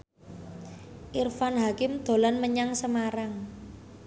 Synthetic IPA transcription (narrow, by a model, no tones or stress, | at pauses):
ʔirfanɦakɪmd̪̥o̤lanməɲaŋsəmaɾaŋ